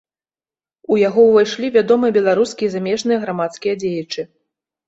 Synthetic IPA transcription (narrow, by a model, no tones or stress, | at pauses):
ujaɣɔwvajʂlʲivʲad̪ɔmɨjɐbʲɛlˠaɾuskʲiizamʲɛʐnɨjɐɣɾamat̪skʲijɐd͡zʲejɐt͡ʂɨ